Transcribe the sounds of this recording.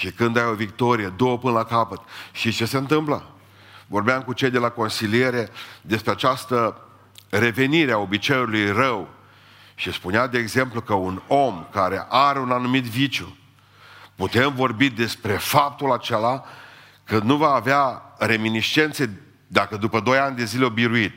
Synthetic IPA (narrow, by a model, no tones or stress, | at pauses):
ʃikɨnd̪ajovik̚t̪o̞ɾijed̪o̞wəpɨnəlakapət̪ʃit͡ʃe̞se̞ɨnt̪ɨmpla | vo̞rbeamkut͡ʃe̞jd̪e̞lako̞nsilie̞ɾe̞d̪e̞spɾeat͡ʃast̪ə | re̞ve̞niɾeao̞bit͡ʃejulujrəw | ʃispunead̪eːɡze̞mplukəuno̞mkaɾe̞ʔaɾeunanumit̪vit͡ʃju | put̪e̞mvo̞rbid̪e̞spɾe̞fap̚t̪ulat͡ʃe̞la | kɨnd̪nuvaːveaɾe̞miniʃt͡ʃe̞nt̪se | d̪akəd̪upəd̪o̞janʲd̪e̞zileobiɾuit̪